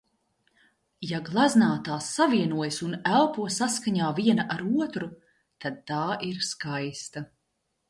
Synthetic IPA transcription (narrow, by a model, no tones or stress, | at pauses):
jaɡlˠaznaːt̪aːsːaviɛnuɔjsunælˠpuɔsaskaɲaːviɛnɐʔaɾuɔt̪ɾu | t̪ad̪̚t̪aːʔiɾskajst̪a